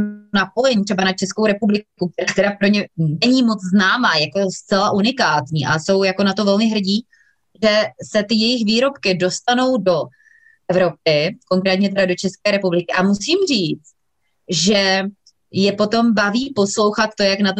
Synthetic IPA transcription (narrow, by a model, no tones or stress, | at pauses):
napo̞jɛɲt̪r̥ɛbanat͡ʃɛskowɾɛpublɪkuk̚t̪ɛɾaːt̪ɛɾapɾoɲɛnɛɲiːmot͡sznaːmaːjako̞st͡sɛlaʔunɪkaːt̪ɲḭːʔaso̞wjako̞nat̪o̞vɛlmɪɦr̩ɟiː | ʒɛsɛt̪ɪjɛjɪxviːɾo̞pkɪdo̞st̪ano̞wdo̞ | ʔɛvɾo̞p̚ɪko̞ŋkɾɛːt̪ɲɛt̪ɛɾado̞t͡ʃɛskɛːɾɛpublɪkɪʔamusiːmr̝iːt͡st̪ | ʒɛ | jɛpo̞t̪o̞mbaviːpo̞slo̞wxat̪̚t̪ːo̞jaknat̪